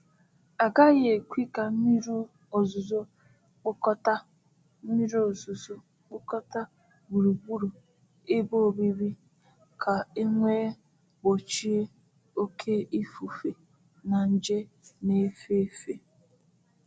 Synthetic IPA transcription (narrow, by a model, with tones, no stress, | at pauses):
a˨ɡa˦ɣe˨kʷi˦ka˨m̩˦mi˦ɾu˦ | o˨zʊ˨zo˦ | k͡pʊ˦kɔ˦ta˦ | m̩˦mi˦ɾo˨zu˨zo˦ | k͡pʊ˦kɔ˦ta˦ | bu˨ɾu˨bu˦ɾu˨ | e˦bo˦˨bi˦ɾi˦ | kʰa˨e˦ŋʷe˦ | bo˨t͡ʃi˦e˦ | o˦kʰe˦i˦fu˨fe˨ | na˨n̩˦d͡ʒe˦ | ne˦fe˦fe˨